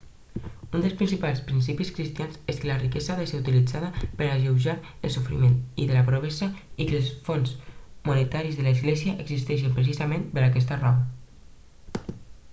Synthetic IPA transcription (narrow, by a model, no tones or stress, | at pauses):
und̪əlˠspɾinsipalˠspɾinsipiskɾist̪ianzeskələrikɛzaaðəseɾut̪ilid͡zaðəpəɾaʒewʒaɾ | əlˠsufɾḭmenḭðəlapɾoβɛzəikəlˠsfonzmunet̪aɾizðələzɣlɛziəʔəɡzist̪ɛʃ̬əmpɾes̬izamẽnbeɾakɛs̬t̪ərɔβə